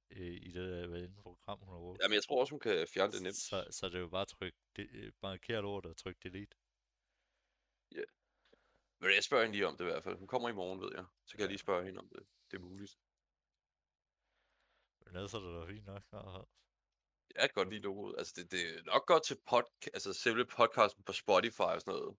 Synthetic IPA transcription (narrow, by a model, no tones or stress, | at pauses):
id̥ed̥æʋæenn̩pʰʁoɡ̥ʁɑ̈m̰hunæɔ̥jæmənjɑt͡sʰʁo̝ɐɒ̽shunkʰæfjæɐnəd̥e̝nem̰d̥sɒ̽sɒ̽d̥e̝job̥ɑ̈ːt͡sʰʁœɡ̥̚d̥eb̥ɑ̈kʰe̝̰ɐ̰ɾ̥ɒ̰ʊ̰ɐd̥et͡sʰʁœɡ̥̚d̥e̝lḭːd̥ | jæ | meljaɪsb̥ɶɐhe̝nliːɒ̽md̥e̝iʋæɐ̰d̥fæl̰hunkʰɒ̽m̰ɐimɒːn̩ʋe̝ð̞̰ˠjɑ̈ɪsɒkʰæjɑliːsb̥ɶɐhe̝nəɒ̽md̥e̝ | d̥e̝ɐmuːlid̥ | menæðˠsɒd̥ed̥æfḭːnːɒɡ̥ɑhæ | jæ̥eɡ̥ɒ̽d̥lḭːlo̝ːɡ̥oð̩ˠælsəd̥ed̥e̝nɒ̽ɡ̥̚ɡ̥ɒ̽d̥̚t͡sʰe̝lpʰɒd̥ʰælsəseləpʰɒ̽d̥̚kʰɑ̈sd̥n̩pʰɒ̽sb̥ɒ̽ɾifɑ̈ɪɒsɔnɔ̰ːð̩ˠ